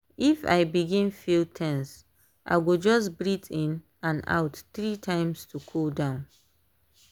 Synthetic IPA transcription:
ifa̰ɪbiɡĩnfiltʰɛ̃ns | ʔa̰ɪɡod͡ʒɔs̬bɹitʰĩn | ãna̰ʊtθɹitʰãɪ̃mstʰukʰoldãʊ̃n

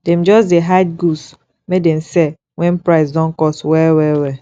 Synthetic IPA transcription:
dɛ̃md͡ʒɔsdeɦaɪd̚ɡus | medɛ̃msɛ | wɛ̃npɹaɪsdɔ̃nkɔswɛwɛwɛ

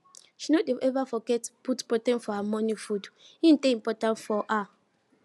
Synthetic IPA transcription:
ʃinodevɛvafɔɡɛtputpɔtɛ̃nfɔamɔ̃nifud | ĩn̩tẽĩm̩pɔtãntfɔʔa

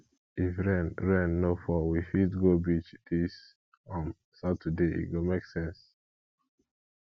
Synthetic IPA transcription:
ifɹɛ̃nɹɛ̃nːofɔwifitɡobit͡ʃdis | ɔ̃n | satʰədeḭɡomeksɛ̃ns

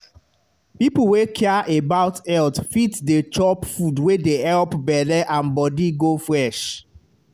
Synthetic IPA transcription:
pip̩wekʰɛaʔebaʊtɛltfitdet͡ʃɔpfudwedehɛlpbɛlɛʔãnbɔdiɡofɹɛʃ

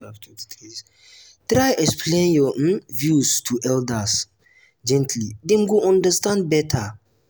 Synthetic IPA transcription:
tɾajʔɛkspʰlẽnjɔʔ̩nvjustʰuʔɛldas | d͡ʒɛ̃ntʰlidẽmɡuʔɔ̃ndəstãnd̚bɛtʰa

